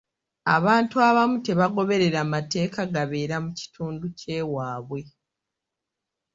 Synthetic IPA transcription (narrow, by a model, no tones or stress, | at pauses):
a̰βaːntuaβamute̞βaɡo̞βe̞ɾe̞ɾamate̞ːkaɡaβe̞ːɾamuci̥tʰuːnduce̞ːwaːβwe̞